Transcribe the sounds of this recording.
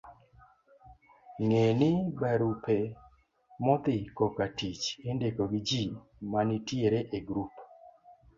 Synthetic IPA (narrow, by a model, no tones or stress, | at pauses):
ŋenɪbaɾupe | mɔd̪ɪkɔkatit͡ʃendekoɡɪd͡ʒi | manitjeɾeʔeɡɾup